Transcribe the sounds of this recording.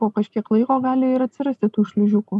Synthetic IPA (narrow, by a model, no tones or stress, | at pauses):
oːkɐʃʲkʲiɛklˠɐɪkoːɡɑːlʲɪɪɾɐt̪ʲsʲɪɾɐsʲt̪ʲɪt̪uːʃʲlʲɪʒʲʊkuː